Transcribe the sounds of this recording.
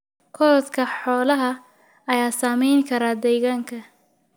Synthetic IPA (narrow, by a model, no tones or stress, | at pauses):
kʰɔɾðkʰɐħɔːlɐɦɐ | ɐjaːsaːmɛjŋkʰɐɾaːd̪ɛjɣaːŋkʰɐ